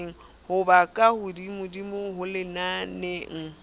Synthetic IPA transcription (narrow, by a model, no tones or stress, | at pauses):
ŋ̩ | hʊbakʼahʊdimʊdimʊɦʊlɪnaneŋ̩